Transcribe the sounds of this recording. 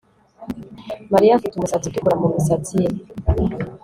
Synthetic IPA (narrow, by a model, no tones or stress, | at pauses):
maɾijafitumusat͡sitikuɾamumisat͡si